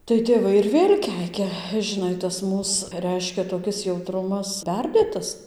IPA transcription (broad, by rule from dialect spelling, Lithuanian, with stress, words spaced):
tɐɪ tʲeːˈʋɐɪ ɪr ˈʋʲeːlʲ ˈkʲɛɪkʲɛ ʒʲɪˈnɐɪ tɐs ˈmuːs ˈrʲɛɪʃʲkʲɛ toːˈkʲɪs jɛʊˈtrʊmɐs ˈpʲɛrʲdʲeːtɐs